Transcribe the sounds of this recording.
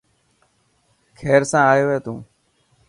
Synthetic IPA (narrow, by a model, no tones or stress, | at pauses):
kʰeːɾsãːaːjoːʋeːt̪ũː